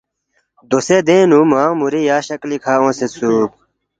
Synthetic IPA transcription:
d̪osed̪ẽːnuːmãːmuɾijaːɕɐklikʰaːõːsesuːb̚

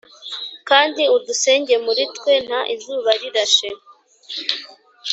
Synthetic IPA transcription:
kaːndiuduse̞ːɲɟemuɾitwe̞n̥aʔizuːβaɾiɾaʃe

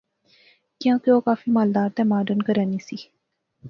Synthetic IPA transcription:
kãːkeoːkaːfimaːld̪aːɾt̪ẽmaːɖənkəɾanisi

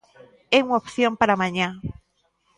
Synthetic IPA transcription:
euŋaopθjompaɾamãɲã

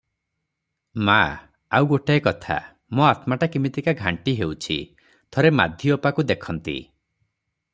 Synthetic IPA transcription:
ma | awɡoʈaekɔt̪ʰa̰ | moat̪maʈakimit̪ikaɡʱaɳʈiɦeut͡ʃʰḭ | t̪ʰɔɾema̰d̪ʱjɔopakud̪ekʰɔnt̪ḭ

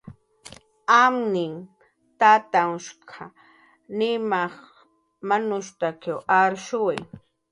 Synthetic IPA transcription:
amnɪŋ | t̪at̪aŋʃkʰa | nɪmɑχ | manʊʃt̪akawaɾʃʊwaj

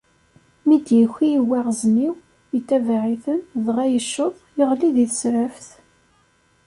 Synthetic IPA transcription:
mid̪jəçiwːæʁzniw | jət̪ːævaʕiθənðʁæjəʃːəðˤiʁliðiθə̥sɾæfθ

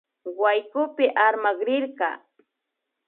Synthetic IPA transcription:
wajkʊpɪʔaɾmaɢɾɪɾɢɑ̰ː

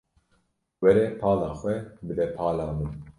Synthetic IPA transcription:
wɛɾɛpʰɑːlɑːxwɛbɨd̪ɛpʰɑːlɑːmun

